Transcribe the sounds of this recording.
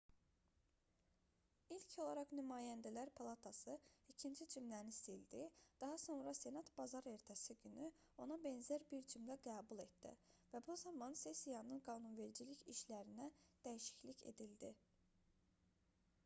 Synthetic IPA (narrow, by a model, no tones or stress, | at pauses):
ilcʰo̞lˠɑɾɑχnymɑːjænd̪ælæɾpʰɑlˠɑt̪ʰɑsɯicʰind͡ʒid͡ʒimlænist̪ild̪id̪̥ɑɦɑso̞nɾɑse̞nɑt̪b̥ɑzɑɾe̞ɾt̪ʰæsiɟyny | o̞nɑbe̞nzæɾbiɾd͡ʒimlæɡæːbulˠe̞t̪̚d̪̥ḭvæbuzɑmɑnse̞sijɑnɯnɡɑːnunve̞ld͡ʒiliçiʃlæɾinæd̪̥æjiʃi̥çlice̞̰d̪ild̪i